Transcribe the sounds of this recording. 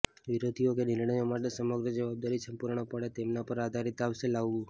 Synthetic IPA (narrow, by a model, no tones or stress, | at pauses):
ʋiɾod̪ʱijokenɪɾɳ̃əjomaʈesəməɡɾəd͡ʒəʋab̚d̪aɾisəmpuɾɳ̃opəɽet̪emnapəɾad̪ʱaɾit̪aʋselaʋːũ